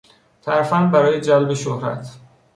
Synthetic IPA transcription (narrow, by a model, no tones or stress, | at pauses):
t̪ʰæɾfænbæɾɒːjed͡ʒælbe̞ʃohɾæ̰t̪ʰ